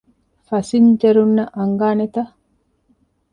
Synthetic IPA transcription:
fɐsind͡ʒeɾunːɐʔɐŋɡaːnet̪ɐ

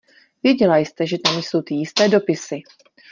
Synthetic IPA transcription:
vjɛɟɛlajst̪ɛʒɛt̪amjso̞wt̪ɪjɪst̪ɛːdo̞pɪsɪ

